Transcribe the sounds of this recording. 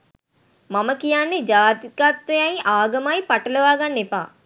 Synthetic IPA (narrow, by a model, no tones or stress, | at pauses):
maməkijanːed͡ʒaːt̪ikat̪ʋɐjajʔaːɡɐmajpaʈɐlɐʋaːɡanːepa̰ː